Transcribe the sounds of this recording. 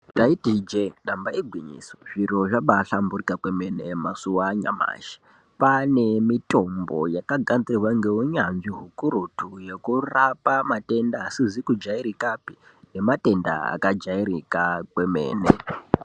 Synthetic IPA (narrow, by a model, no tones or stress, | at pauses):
daitid͡ʒeɗambaiɡʱwiɲḭːsoʐiroʐaɓaɬamburikakwemenemasuwaɲa̰ma̰ːʃi̥ | panemito̞mbo̞̰jakaɡʱand͡zirwaŋɡe̞uɲanʐiɦukurutuje̞kurapamate̞ndaːsizikud͡ʒaiɾikapi | ne̞mate̞nda̰a̰kad͡ʒaiɾikakwe̞mḛːne